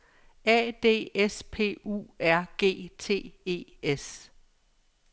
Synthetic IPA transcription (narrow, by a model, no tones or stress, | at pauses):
ɛ̰ːd̥e̝̰ːespʰe̝̰ːṵːæɐ̰ɡ̥e̝̰ːt͡sʰe̝̰ːe̝̰ːes